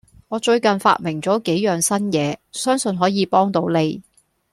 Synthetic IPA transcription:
ŋɔː˨˧t͡ʃɵ˧ɥkɐ˨nfa̰ː˧t̚mɪ˨˩ŋt͡sɔː˨˥ke˨˥jjœː˨˧ŋsɐ˥njɛː˨˧sœː˥ŋsɵ˧nɦɔː˨˥jiː˨˧pɔː˥ŋt̪o˨˧˥wne˨˧j

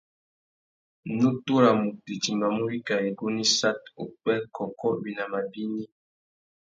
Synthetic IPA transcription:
nu˦tu˦ɾa˨mu˨te˨ti˨mba˨mu˦ɾi˦ka˨e˨ɡo˦ni˦sa˦to˨k͡pɛ˦kʰɔ˨kɔ˦bi˨na˨ma˨bi˦ni˦

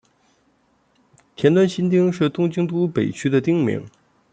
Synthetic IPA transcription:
t̪ʰjɛ˧˥nt̪wa˥nɕi˥nt̪̬i˥ŋʂɻ̩˥˩t̪ʊ˥ŋt͡ɕi˥ŋt̪u˥pe˨˩ɪt͡ɕʰy˥d̪ə˨t̪i˥ŋmḭ˧˥ŋ

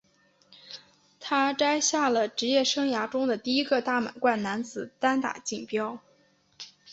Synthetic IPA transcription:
t̪ʰa˥ʈ͡ʂa˥ɪɕja˥˩lə˩ʈ͡ʂɻ̩˧˥jɛ˥˩ʂɤ˥ŋja˧˥ʈ͡ʂʊ˥ŋd̪ə˨t̪i˥˩i˥ɡə˧t̪a˥˩ma̰˨˩nkwa˥˩nna˧˥nt͡sɹ̩˨˩˦t̪a˥nt̪a̰˨˩t͡ɕi˥˩ŋpjɑ˥ʊ

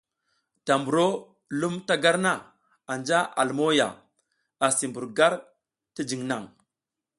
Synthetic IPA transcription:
ta˨mbu˨ɾo˦ | lu˦mta˦ɡa˦ɾna˦˨ | a˨nd͡ʒa˦ʔa˨lmo˦ja̰˨ | a˨si˨mbu˨ɾɡa˦ɾ | ti˦d͡ʒi˨ŋna˨ŋ

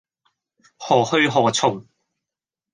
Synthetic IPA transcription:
hɔː˨˩hɵ˧ɥɦɔː˨˩t͡sʰʊ˨˩ŋ

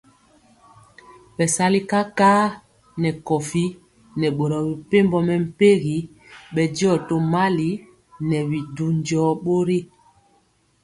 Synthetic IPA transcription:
ɓɛ˨sa˦li˦ka˦kaː˦ | nɛ˨kɔ˨fi˦ | nɛ˨ɓo˨ɾɔ˨bi˨pe˦mbɔ˦mɛ˨m̩˨pe˦ɣi˨˦ | ɓɛ˨d͡ʒi˦ɔ˦˨to˦ma˦li˨ | nɛ˨βi˨du˦n˦d͡ʒɔː˦ɓo˦ɾi˦

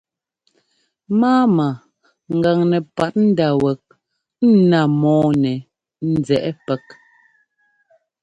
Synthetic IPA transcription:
maː˦ma˨ | ŋ̩˨ɡa˨ŋnɛ˨pa˨t̚n̩˦da˨wɛ˨k̚ | n̩˦na˨mɔː˨˦nɛ˨ | n̩˦˨d͡zɛ˨ʔɛ˦pɛ˦k̚

